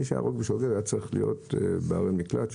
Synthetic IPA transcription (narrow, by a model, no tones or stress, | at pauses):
iʃeja̰ʁoɡbeʃoɡeʁajat͡saʁiχlḭjo̞̰tbeaʁemiklat̪